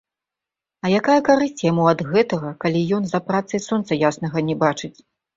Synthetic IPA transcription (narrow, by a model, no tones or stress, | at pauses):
ɐjakajɐkaɾɨsʲt͡sʲjamuɐd̪ɣɛt̪ɐɣɐkalʲijɔn̪zɐpɾat̪sɐjsɔnt̪sɐjasnɐɣɐnʲɛbat͡ʂɨt͡sʲ